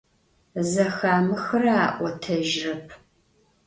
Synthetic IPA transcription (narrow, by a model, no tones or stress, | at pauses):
zɐxaːmɨxɐrɐaːʔʷɔtʰɐʒrɐpʰ